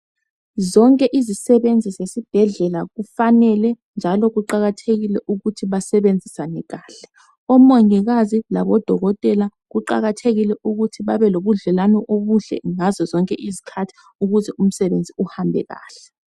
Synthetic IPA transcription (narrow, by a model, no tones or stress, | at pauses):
zɔŋkʼɛʔizisɛβend͡zʱizesib̥ʱɛɮɛlaɣufanɛlɛ | nd͡ʒʱalɔɣuǃaɣatʰeɣilɛʔuɣutʰiβasɛβend͡zʱisanɛɣaːɬɛ̥ | ɔmɔŋiɣazilaβɔd̥ʱɔɣɔtʼɛla | ɣuǃa̰ɣatʰeɣilɛʔuɣutʰiβaβɛloβuɮɛlanɔʔoβuɮɛ̰ŋazɔzɔŋkʼɛʔizikʰatʰi̥ | uɣuzɛʔum̩sɛβend͡zʱiuhambʱɛ̰ɣa̰ːɬɛ